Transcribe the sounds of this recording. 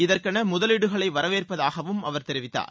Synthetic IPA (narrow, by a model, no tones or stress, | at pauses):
ɪðɐrkɐnɐmʊðɐlɪɽɯɣɐɭɐɪʋɐɾɐʋeːrpɐðaːɣɐʋɯmɐʋɐɾt̪ɛɾɪʋɪt̪ːa̰ːɾ